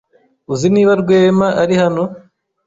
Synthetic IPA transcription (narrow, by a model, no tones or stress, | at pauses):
uziniːβaɾɡweːmaʔaɾihano